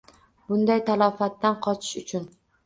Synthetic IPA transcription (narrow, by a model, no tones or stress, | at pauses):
bʊnd̪ajt̪ʰalˠɒfat̪ːanqʰɒt͡ʃʰɪ̥ʃʊt͡ʃʰʊn